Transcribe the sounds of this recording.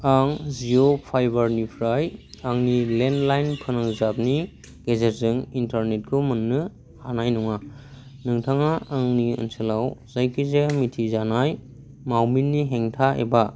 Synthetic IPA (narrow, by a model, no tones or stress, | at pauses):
aŋziɾopʰajbaɾnipʰɾajaŋnilendlajnpʰɯnaŋzap̚ni | ɡ̥ezet̚zɯŋintaɾnet̚kʰomɯnːɯ | hanajnɔŋa | nɯŋtʰaŋaːŋniɯ̰nsɯlawzajkʰizemitʰizanaj | mawminːiɦeŋtʰaḛba